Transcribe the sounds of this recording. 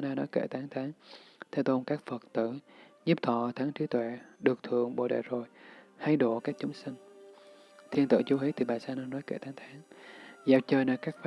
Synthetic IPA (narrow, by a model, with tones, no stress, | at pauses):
a˧naː˧nɔ˨˦jkḛ˧˩t̪aː˨˦ŋt̪ʰaː˨˦ŋt̪ʰɛ˧˩wt̪o˧nkaː˦˥k̚fə˨˩t̚t̪ɨ̰˧˨ɲi˦˥p̚t̪ʰɔ̰˧˨t̪ʰaː˨˦ŋt͡ɕi˨˦t̪wɛ̰˧˨ɗɨ˨˩ək̚t̪ʰɨ˧˨əŋɓo̰˧˨ɗḛ˧˨˩zo˨˩jha˧jɗo˧˨kaː˦˥k̚t͡ɕʊ˨˦ŋ͡msï˧ŋ̟ | t̪ʰi˧ənt̪ɨ̰˧˩t͡ɕu˨˦hi˨˦t̪ʰi˨˩ɓaː˨˩saː˧naː˧nɔ˨˦jkḛ˧˩t̪aː˨˦ŋt̪ʰaː˨˦ŋzaː˧˩wt͡ɕəː˧jnəː˨˦jkaː˦˥k̚f